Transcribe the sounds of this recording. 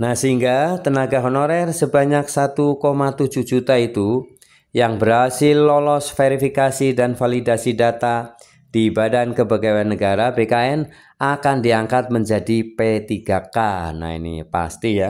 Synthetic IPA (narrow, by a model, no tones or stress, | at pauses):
nahsəɦiŋɡat̪ənaɡaɦonoɾɛrsəbaɲaksat̪ukomat̪ud͡ʒud͡ʒut̪ait̪u | jaŋbəɾɦasɪlːɔlɔsfeɾifikasidanfalidasidat̪a | d̥iːbadankəbaɡaanːəɡaɾabekaɛn | akandiaŋkat̪̚məɲd͡ʒadipet̪iɡakana̰ḭnḭpa̰st̪ija